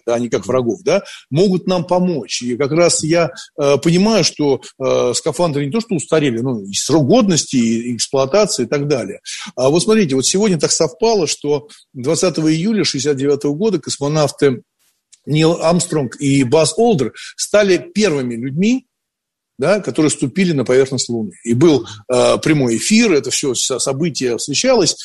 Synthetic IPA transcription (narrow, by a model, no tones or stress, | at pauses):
d̪aɐnʲɪkakvrɐɡo̞fd̪amo̞ɡʊt̪nampɐmo̞t͡ɕikɐkɾasjaəpənʲɪmajʊʂt̪o̞əskɐfand̪əɾɨnʲɪt̪o̞ʂt̪oʊst̪ɐɾʲelʲɪnuɪsɾoɡo̞d̪nəsʲtʲɪɪksplˠʊɐt̪at̪sɨɪːɪt̪ɐɡd̪alʲɪ̰jəavo̞t̪smɐt̪ɾʲitʲɪvo̞t̪sʲɪvodʲnʲət̪aksɐfpalˠəʂt̪o̞ | d̪vɐt̪sat̪əvəɪjulʲəʂɨɪsʲat̪̚dʲɪvʲat̪əvəɡo̞d̪əkəsmɐnaft̪ɨ | nʲilˠamst̪ɾonkibaso̞lˠd̪ərst̪alʲɪpʲe̞rvɨmʲɪlʲʉdʲmʲi | d̪akɐt̪o̞ɾɨjəst̪ʊpʲilʲɪnəpɐvʲe̞rxnəsʲtʲlˠʊnɨibɨlˠəpɾʲɪmo̞jɪfʲirɛt̪əfsʲosɐsɐbɨtʲɪjəfsvʲɪɕalˠəsʲ